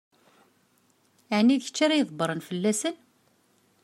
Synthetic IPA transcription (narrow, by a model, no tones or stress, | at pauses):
aʕnːiðçə̥t͡ʃːaɾajəðˤbəɾˤənfəlːæsən